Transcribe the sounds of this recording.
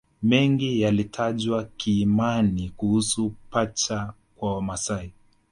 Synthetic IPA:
mɛŋɡijalitʰaʄwakiːmanikuhusupat͡ʃa | kwawamasai

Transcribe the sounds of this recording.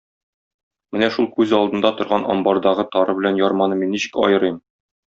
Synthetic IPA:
mɘnæʃulˠkʉzɒlˠd̪ɤ̆nd̪ɑt̪ŏɾʁɑnʔɒ̰mbɑɾd̪ɑʁɤt̪ɒɾɤbɘ̆lænjɒɾmɑnɤminːiɕɘ̥̆kɒ̰jɤ̆ɾɤjm

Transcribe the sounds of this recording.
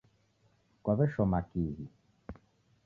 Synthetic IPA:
kwaβɛʃɔmakiɦi

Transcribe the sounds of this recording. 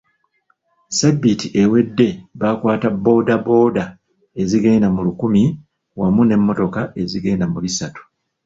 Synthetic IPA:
sabːitiʔe̞we̞dːe̞βakwaːtabo̞ːdabo̞ːda | e̞ziɡeinamulukumi | wamune̞mːo̞to̞kae̞ziɡeːnamulisatu̥

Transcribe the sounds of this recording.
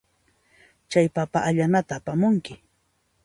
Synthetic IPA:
t͡ʃajpapaʔaʎanat̪aːpamʊŋkɪ

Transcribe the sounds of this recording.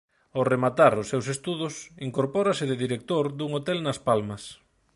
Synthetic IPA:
oremat̪aɾʊsːewsest̪uðʊsiŋkoɾpɔɾɐsɪðɪðiɾek̚t̪oɾd̪uŋot̪ɛlnɐspalmɐs

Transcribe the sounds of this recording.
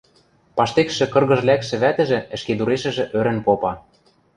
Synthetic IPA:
pɑʃt̪ekʃɘ̆kɤ̆rɣɤ̆ʒlækʃɘ̆βæt̪ɘ̆ʒɘ̆ɘ̆ʃked̪uɾeʃɘ̆ʒĕʔøɾɘ̆npopɑ

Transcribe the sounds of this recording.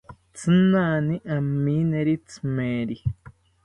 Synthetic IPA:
t͡sɨnaːniʔamːĩneɾit͡sɨmeɾi

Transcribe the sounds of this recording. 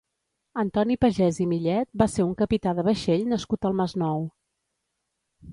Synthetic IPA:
ənt̪ɔnipəʒɛzimiʎɛt̪̚baseɾuŋkəpit̪aðəβəʃeʎnəskut̪əlˠməznɔw

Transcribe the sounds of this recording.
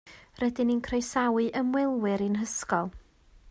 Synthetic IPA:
rɛdɪninkʰrejsawɨʔəmwɛlˠwɨɾɨnɦəskɔlˠ

